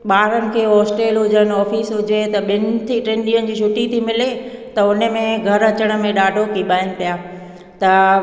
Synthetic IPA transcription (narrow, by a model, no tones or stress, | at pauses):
ɓaːɾənɪ̆kʰeːɦɔːsʈeːlɦʊd͡ʑənɪ̆ɔːfiːsɦʊd͡ʑet̪ɐɓɪnt̪ʰiʈɾẽːnɗiənɪ̆d͡ʑiːʃʊʈit̪ʰimɪlet̪ɐʊnə̆mẽɡʱɐɾɐt͡ɕəɽ̃̆mẽɗaːɖʱokiɓaːɪnɪ̆pijaː | t̪ɐ